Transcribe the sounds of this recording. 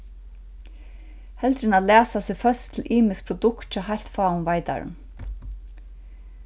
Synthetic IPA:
hɛlt̪ɾɪnalæːsasɪfœst̪ʰːɪlʔiːmɪsk̚pʰɾɔd̪ʊkt̪t͡ʃʰɔːɦajl̥t̪faːʊnvajt̪a̰ɾɪ̰n

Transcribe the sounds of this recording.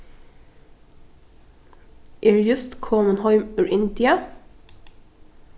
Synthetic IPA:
ʔɪːɹjʉst̪kʰɔːmənhɑɪmʉɹʔɪnt̪ɪə

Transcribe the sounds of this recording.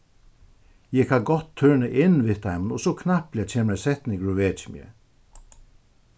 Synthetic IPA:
jɛkʰaɡɔt̪ʰːøːɳəʔɪnːʋɪt̪ajmənɔsɔkʰnahplɛt͡ʃʰeːməɾɛsɛht̪niɡɹuʋɛːt͡ʃmjɛ̰

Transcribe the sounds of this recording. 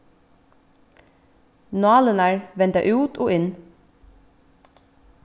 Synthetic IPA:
nɑːlənæɹʋɛnt̪ə̰ʔʉːt̪ʰoːʔɪn

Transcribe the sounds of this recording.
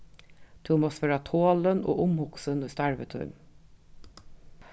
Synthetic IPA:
t̪ʰɪmoːspøɾɑt̪ʰoːləno̰ːʔʊmhʊksənuːst̪æɹʋət̪ʰʉ̰ɳ

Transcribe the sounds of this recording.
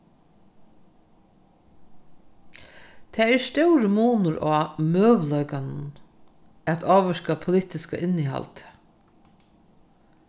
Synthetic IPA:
t̪ʰɛːɛɹst̪ɛwɾɪmuːnʊɾʔɔːmøːʋlɔʏkann | æt̪ʰoːʋəʂkapʰʊlɪːht̪ɪska̰ʔɪnːiɦa̰lt̪

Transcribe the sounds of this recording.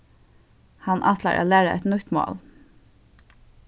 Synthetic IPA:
hɑnʔɑt̪la̰ʔa̰ːlæːɹəʔɛ̰t̪nʊt̪mo̰ːl

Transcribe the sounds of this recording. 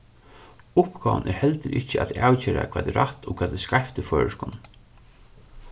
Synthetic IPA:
ʊpɡaːʋə̰nʔɛɾhɛlt̪ɪɾʔɪht͡ɕːəat̪aːwt͡ɕeːɾakʰv̥aːt̪ɛɾaht̪ʰɔkʰvaːt̪ɛskajft̪ɪfœːɹəʂkʊn

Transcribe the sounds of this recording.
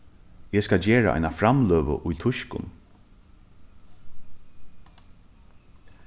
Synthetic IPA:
ɛskad͡ʑeːɹa̰ʔa̰jnafɾamløːʋə̰ʔʊjt̪ʰʊʃkʊ̰n

